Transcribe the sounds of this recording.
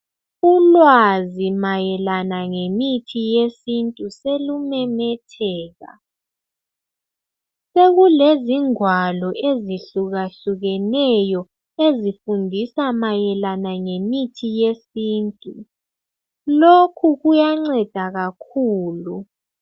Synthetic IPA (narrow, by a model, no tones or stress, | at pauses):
ulwazimajɛlanaŋemitʰijesintʼuselumɛmɛtʰɛːɣa̰ | seɣuleziŋwalɔʔeziɬuɣaɬuɣɛnɛjɔ | ezifundʱisamajɛlanaŋemitʰijesiːntʼu | lokʰuɣujaŋ͡ǀɛd̥ʱaɣakʰuːlu